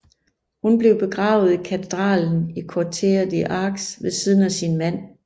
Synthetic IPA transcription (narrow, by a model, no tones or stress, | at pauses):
hunb̥le̝ʊb̥e̝ɡ̥ʁɑ̈ːʊð̞̩ˠikʰæt͡sʰe̝d̥ʁɑ̰̈ːln̩ikʰɒt͡sʰḛːɐð̩ˠiʔɑ̈ːɡ̥sʋe̝siːð̞ˠn̩æsinmæn̰